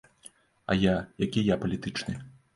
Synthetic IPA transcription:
ɐ̰jajakʲijapɐlʲit̪ɨt͡ʂnɨ

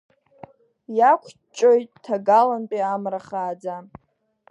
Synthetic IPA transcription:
jakʷʰ | t͡ʃʼojtʼtʰaɡalanpʼiamraχaːd͡za

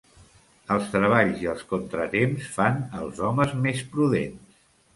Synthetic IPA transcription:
əlˠst̪ɾəβ̞aʎziəlˠskont̪ɾət̪emsfanəlˠzɔməzmespɾuðens

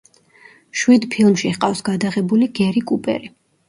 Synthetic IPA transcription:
ʃwid̪pʰilˠmʃiqʼafsɡad̪aʁɛbuliɡɛɾikʼupʼɛ̰ɾi

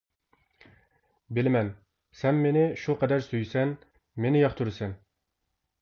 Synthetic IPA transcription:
bɪlɪmɛn | sɛnːenɪʃuqɑd̪æɾsyjsɛn | menɪjɑχt̪ʰuɾsɛn

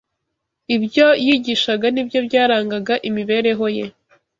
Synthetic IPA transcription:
ibjo̞jiɟiʃaɡanibjo̞bɟaːɾaːŋɡaɡaʔimiβe̞ːɾe̞ɦo̞je̞

